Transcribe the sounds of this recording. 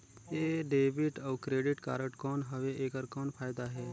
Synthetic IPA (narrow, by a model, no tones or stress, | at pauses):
eːɖeːbɪʈɔʊkɾeːɖɪʈka̰ːɾəʈkɔːnɦəʋeʔeːkəɾkɔːnpʰaːjd̪aɦɛː